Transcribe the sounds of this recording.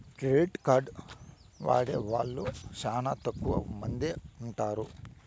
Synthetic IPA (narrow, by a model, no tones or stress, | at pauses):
ʈɾeːʈkaːɾɖ | ʋa̰ːɽeːʋa̰ːɭːut͡ʃaːnat̪ɐkːuʋɐ̰mɐnd̪euɳʈaːɾu